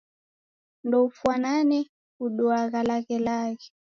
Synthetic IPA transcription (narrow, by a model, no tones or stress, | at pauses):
ndɔufwananɛ | uɗɔaɣalaɣɛlaɣɛ